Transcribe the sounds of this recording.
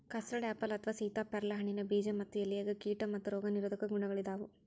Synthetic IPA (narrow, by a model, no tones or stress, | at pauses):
kɐsɾɐɖaːpːɐlɐt̪ʰɐʋasiːt̪aːpɛɾɐlɐɦɐɳinɐbiːd͡ʒɐmɐt̪ːijɐlːijɐɡɐkiːʈɐmɐt̪ːuɾɔːɡɐniɾɐd̪ɐkɐɡuɳɐɡɐɭid̪aːʋu